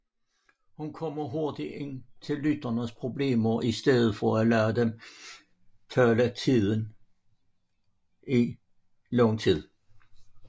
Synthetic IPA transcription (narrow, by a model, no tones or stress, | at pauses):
hunkʰɒmɐɦoɐd̥ie̝n̰t͡sʰe̝lːyd̥ɐnəspʰʁo̝b̥le̝̰ːmɐʔisd̥eðˠð̞̩ˠfɒælæːd̥em | fœlət͡sʰiðˠən | i | lɔŋt͡sʰið̰ˠ